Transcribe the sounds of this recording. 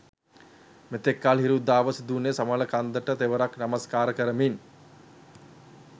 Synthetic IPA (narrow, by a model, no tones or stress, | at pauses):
met̪ekːaːlɦiɾud̪aːʋəsid̪unesamələkand̪əʈət̪eʋəɾaknaməskaːɾəkəɾəmin